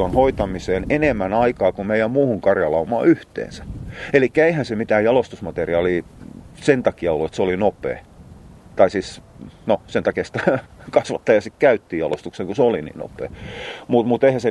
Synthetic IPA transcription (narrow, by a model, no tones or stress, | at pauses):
onhoit̪ɑmiseːnenemːænɑikɑːkumeijˑæmmuːhuŋkɑrjɑlɑumɑ̰ːyht̪ḛːnsæ̥elikːæeihænsemit̪æːjɑlost̪usmɑt̪eriɑːliːsent̪ɑkiɑolːuet̪seolinopˑḛː | t̪ɑisiːsnosent̪ɑkiɑsi̥t̪ækɑsʋɑt̪ːɑjɑsikkæyt̪ːiːjɑlo̰st̪ukseŋkuseolinḭːnno̰pˑḛːmut̪mut̪eihæse